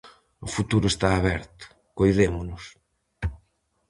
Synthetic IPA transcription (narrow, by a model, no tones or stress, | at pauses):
ʊfut̪uɾʊest̪aːβɛɾt̪ʊ̥ | kojðemʊnʊs